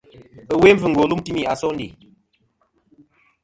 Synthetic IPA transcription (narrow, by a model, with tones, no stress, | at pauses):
ə˨we˦ɱ̩˦vɨ˨ŋ˨ɡo˨lu˦m˦ti˦mi˦˨a˨sɔ˦n˦dḭ˨